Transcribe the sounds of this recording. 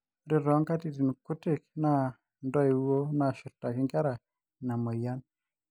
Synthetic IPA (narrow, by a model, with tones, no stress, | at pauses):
ɾɪ˨ɾɔ˨˦ŋka˦ti˨ti˨n˨kʊ˦tɪ˦˨k̚na˦˨ | ndɔ˦e˨wo˦na˨ʃʊ˨ɾta˨kɪ˦ŋka˦ɾa˨ | na˨mɔ˨ja˦n